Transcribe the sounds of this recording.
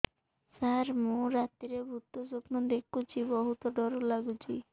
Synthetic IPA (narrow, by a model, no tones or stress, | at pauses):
saɾmũɾat̪iɾebʱut̪ːosopnod̪ekʰut͡ʃʰibɔɦut̪ɔɖɔɾolaɡut͡ʃʰi